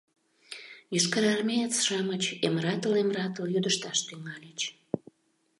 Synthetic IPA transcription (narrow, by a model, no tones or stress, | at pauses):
jyʃkəɾɑrmʲejət͡sʃɑmət͡ɕemrɑt̪əlemrɑt̪əljyd̪əʃt̪ɑʃt̪yŋɑlʲət͡ɕ